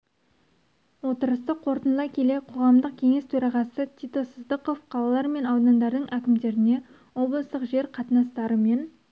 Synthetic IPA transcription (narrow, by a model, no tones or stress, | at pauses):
wo̞t̪əɾəst̪əqʰo̞ɾt̪ənlˠɑkʲʰe̞leqʰo̞ʁɑmd̪əq̚kʲʰe̞ŋe̞st̪ʰɵɾɑʁɑsət̪ʲʰit̪o̞səzd̪əqo̞fqʰɑlˠɑlˠɑɾme̞nɑwd̪ɑnd̪ɑɾd̪əɴʔækʲɪmd̪e̞ɾɪne̞ | wo̞blˠəst̪əqʒe̞ɾqʰɑt̪nɑst̪ɑɾəme̞n